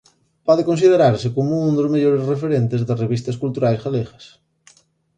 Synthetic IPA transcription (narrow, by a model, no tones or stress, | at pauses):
pɔðekõnsið̞eɾaɾsɪkomound̪ozmeʎoɾezrefeɾent̪ezðɐzreβ̞ist̪ɐskult̪uɾajsɣaleɣɐs